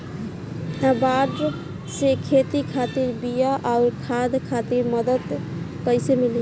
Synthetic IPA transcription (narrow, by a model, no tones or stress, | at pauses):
abaɖ | sekʰet̪ikʰat̪iɾbijaʔaʊɾkʰad̪kʰat̪iɾməd̪əd̪ | kəjsemili